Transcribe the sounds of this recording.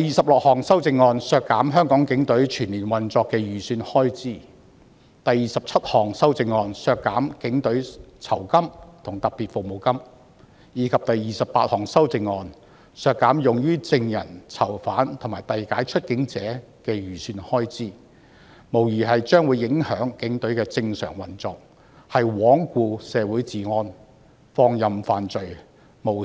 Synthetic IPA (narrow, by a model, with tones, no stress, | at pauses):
t̪ɐ˨jiː˨sɐ˨p̚lʊ˨k̚hɔː˨˩ŋsɐ˥wt͡sɪ˧ŋːɔː˧nsœː˧kːaː˨˥mɦœː˥ŋkɔː˨˥ŋkɪ˨˥ŋt̪ɵ˨˥ɥt͡ʃʰyː˨˩nliː˨˩nwɐ˨nt͡sɔː˧kːɛː˧jyː˨syː˧nhɔː˥jt͡siː˥ | t̪ɐ˨jiː˨sɐ˨p̚t͡sʰɐ˥t̚hɔː˨˩ŋsɐ˥wt͡sɪ˧ŋːɔː˧nsœː˧kːaː˨˥mkɪ˨˥ŋt̪ɵ˨˥ɥt͡sʰɐ˨˩wkɐ˥mt̪ʰʊ˨˩ŋt̪ɐ˨p̚piː˨t̚fʊ˨k̚mo˨wkɐ˥m | jiː˨˥kʰɐ˨p̚t̪ɐ˨jːiː˨˩sɐ˨pːa̰ː˧t̚hɔː˨˩ŋsɐ˥wt͡sɪ˧ŋːɔː˧n | sœː˧kːaː˨˥mjʊ˨ŋjyː˥t͡sɪ˧ŋjɐ˨˩nt͡sʰɐ˨˩wfaː˨˥nt̪ʰmaː˨˩jt̪ɐ˨jkaː˨˥jt͡ʃʰɵ˥t̚kɪ˨˥ŋt͡sɛː˨˥ | kɛː˧jyː˨˩syː˧nhɔː˥jt͡siː˥ | mo˨˩wjiː˨˩ɦɐ˨jt͡ʃœː˥ŋwuː˨˧jɪ˨˥ŋhœː˨˥ŋkɪ˨˥ŋt̪ɵ˨˧˥ɥkɛː˧t͡sɪ˧ŋsœ̰ː˨˩ŋwɐ˨˩nt͡sɔː˨k̚ | hɐ˨jwɔː˨˥ŋkuː˧sɛː˨˧wuː˨˥jt͡siː˨˩ŋɔː˧n | fɔː˧ŋjɐ˨mfaː˨nt͡sɵ˨ɥ | mo˨˩